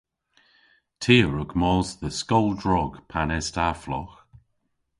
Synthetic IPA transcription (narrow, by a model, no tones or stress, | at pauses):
tʰiːəɹʊkmɔːsðəskɔlˠdɹɔɡ̥pʰanɛstaflɔ̰x